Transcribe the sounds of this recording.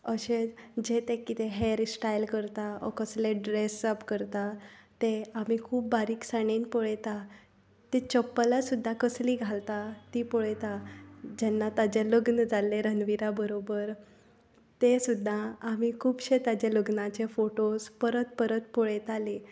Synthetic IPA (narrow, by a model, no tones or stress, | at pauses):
əɕed͡ʑet̪ekːit̪eɦeɾsʈajlkəɾt̪aɔ̰kəsleɖɾesəpkəɾt̪at̪eam̤ikʰuːp̚baɾiːksaɽ̃inpɔɭet̪a | t̪et͡ɕəpːlasud̪ʱːakəsliːɡʱalt̪at̪iːpɔɭet̪ad͡ʑɛnːat̪ad͡ʑeləɡnəd͡zalːeɾənʋiɾabəɾobəɾ | t̪esud̪ʱːaam̤ikʰuːbɕet̪ad͡ʑeləɡnat͡ɕefoʈospəɾət̪̚pəɾət̪̚pɔɭet̪ale